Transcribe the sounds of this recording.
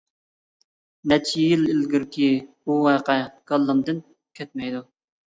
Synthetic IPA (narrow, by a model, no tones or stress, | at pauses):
nɛt͡ʃʰijilɪlɡʲiɾkʲʰibuwɑːqɛɡ̥ɑlˠːɨmd̪ɨn | kʲʰɛt̪̚mɛjd̪u